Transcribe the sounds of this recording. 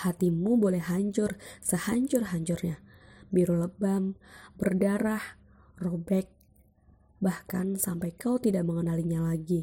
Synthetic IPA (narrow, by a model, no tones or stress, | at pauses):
hat̪imubolɛhɦaɲt͡ʃʊrsəhaɲt͡ʃʊrɦaɲt͡ʃʊrɲabiɾoləbambərdaɾah | robɛk̚ | bahka̰nsampajkawt̪idaʔməŋənaliɲalaɡi